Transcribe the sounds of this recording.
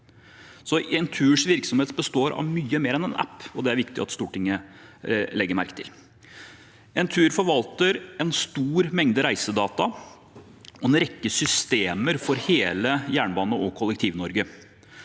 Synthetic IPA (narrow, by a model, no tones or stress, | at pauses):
sɔɛnt̪ʰʉːʂʋɪɾksɔmheːt̪bəst̪oːɾʔɑ̰ʋmyːəmeːɾɛnɛnʔæ̰pːɔd̪ɛæɾʋɪkt̪ɪɑ̰t̪st̪uːʈɪŋːə | lɛɡːəɾmæɾkə̥t̪ʰɪ̰l | ɛnt̪ʰʉːɾfɔɾʋɑlt̪əɾɛnst̪uːɾmɛŋd̪əɾæɪsəd̪ɑːt̪ɑ | ʔɔɛnɾɛkːəsʏst̪eːməɾfɔɾheːləjæːɳbɑːnəʔɔkʰɔlːəkt̪ʰiːʋnɔɾɡə